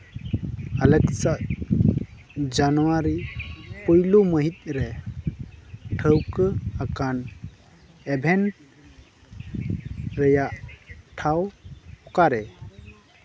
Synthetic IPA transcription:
aləksaʔ | d͡ʒanwaɾipəjluməɦit̪̚ˀɾɛ | ʈʰəwkəakan | ɛbʱɛnʈ̚ | ɾəjaʔʈʰawhɔkaɾɛ

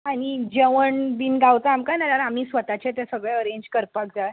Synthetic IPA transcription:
aɽ̃id͡ʑeʋəɳbinɡawt͡s̪aːmkanaɾaɾam̤iːsʋət̪at͡ɕẽt̪jasəɡɭɛ̃əɾeɲd͡ʑkəɾpakd͡za

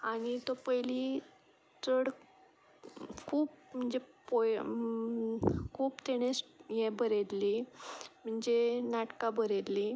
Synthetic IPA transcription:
aɽ̃it̪opəjli | t͡səɽ | kʰuːp̚m̤əɳd͡zepo | kʰuːpt̪eɽ̃esjɛbəɾed̪lim̤əɳd͡zenaʈkabəɾed̪li

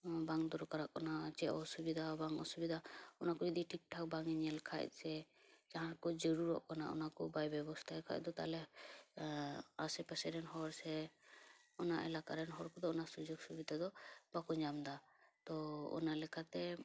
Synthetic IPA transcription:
baŋd̪ɔɾɔkaɾaʔkɔnat͡ʃɛʔɔsubid̪ʱabaŋɔ̰subid̪ʱaɔnakɔd͡ʒɔd̪iʈʰik̚ʈʰak̚baŋiɲɛlkʰa̰c̚sɛ | d͡ʒaɦãɾkɔd͡ʒəɾuɾɔ̰ʔkɔnaʔɔ̰nakɔbajbɛbɔst̪ʰaɛkʰa̰c̚d̪ɔt̪a̰lɛ | asɛpɛsɛɾɛnɦɔɾsɛ | ɔna̰ʔɛlakaɾɛnɦɔɾkɔd̪ɔɔnasud͡ʒɔɡsubid̪ʱad̪ɔbakuɲamd̪a | t̪ɔɔ̰nalɛkat̪ɛ

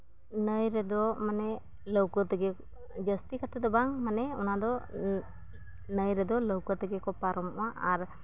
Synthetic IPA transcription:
nəjɾɛd̪ɔmanɛ | ləwkɔt̪əɡɛ | d͡ʒəst̪ikat̪ɛd̪ɔbaŋmanɛɔnad̪ɔ | nəjɾɛd̪ɔləwkɔt̪əɡɛkɔpaɾɔmɔ̰aʔaɾ

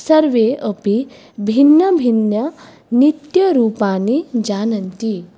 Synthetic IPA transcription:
səɾʋeəpi | bʱinːəbʱinjɐ | nit̪jɐɾuːpanid͡ʑanənt̪i

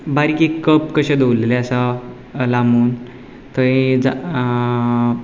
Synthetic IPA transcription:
baɾikikəpkəɕẽd̪owleleəsa | lamuːn | t̪əĩd͡za

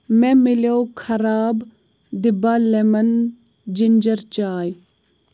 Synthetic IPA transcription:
mẽmɪlowkʰɐɾaːb | d̪ɪbaːlemɐn | d͡ʒɪnd͡ʒɐɾt͡ɕaːj

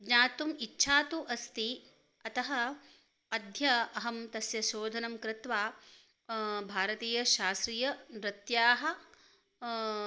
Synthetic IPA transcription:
ɡɲaːt̪umitːʃʰaːt̪uʔɐst̪i | ɐt̪ɐɦɐ | ɐd̪ʱjɐɐɦɐmt̪ɐsjɐsoːd̪ʱɐnɐmkɾɪt̪ʋaː | bʱaːɾɐt̪iːjɐʃaːst̪ɾiːjɐɾɪt̪jaːɦɐ̆

